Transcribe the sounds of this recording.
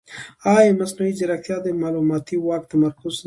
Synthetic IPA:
ɑjmasnuwid͡ʒɪɾaxt̪jɑd̪əmɑlumɑt̪iwɑk̚t̪amaɾkʊzn

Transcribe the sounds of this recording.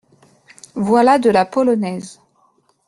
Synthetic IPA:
vwalad̪əlapɔlɔnɛz

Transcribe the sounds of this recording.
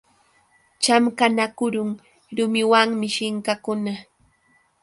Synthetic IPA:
t͡ʃamkanakʊɾʊŋ | ɾʊmɪwaŋmɪʃɪŋkakʊna

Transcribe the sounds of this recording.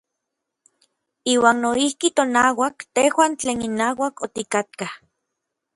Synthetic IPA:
iːwaːnnoihkit̪onaːwakt̪ehwaːnt͡ɬeːninaːwakot̪ikat̪̚kah

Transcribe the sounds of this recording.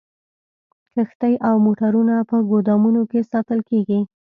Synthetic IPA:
kəxt̪əjʔawmoʈaɾunapəɡod̪ɑmunokesɑt̪əlkeɡi

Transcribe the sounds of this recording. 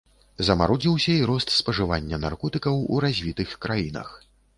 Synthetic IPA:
zɐmaɾɔd͡zʲiwsʲɐiɾɔst̪spɐʐɨvanʲːɐna̰rkɔt̪ɨkɐwṵɾazʲvʲit̪ɨxkɾajinɐ̰x

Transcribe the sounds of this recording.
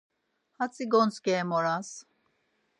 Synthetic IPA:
hat͡sʼiɡɔnt͡skɛːmɔɾas

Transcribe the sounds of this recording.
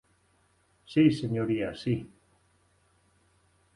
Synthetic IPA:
sisenjoɾiasi

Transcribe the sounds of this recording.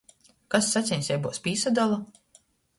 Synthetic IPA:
kasːat̪sʲiɲʲsʲjɛjbuːspʲiːsad̪alˠa

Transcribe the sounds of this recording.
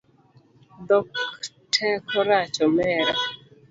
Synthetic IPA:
d̪ɔk | tʰɛkʰɔɾat͡ʃɔmɛɾa

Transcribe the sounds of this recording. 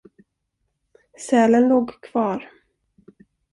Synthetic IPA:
sɛːlənloːɡkʰv̥ɑːɾ

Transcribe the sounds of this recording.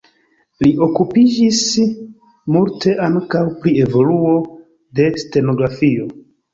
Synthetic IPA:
liʔo̞kupid͡ʒis | multe̞ʔaŋkawpɾie̞vo̞luo̞ | de̞ste̞no̞ɡɾafio̞

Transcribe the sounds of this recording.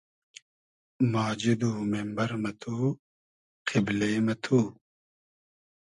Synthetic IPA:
maːd͡ʑid̪uːmembɐɾmɐt̪ʰuː | qʰibleːmɐt̪ʰu

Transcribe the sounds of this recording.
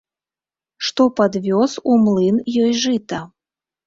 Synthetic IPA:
ʂt̪ɔpad̪vʲɔsumlˠɨnjɔjʐɨt̪ɐ

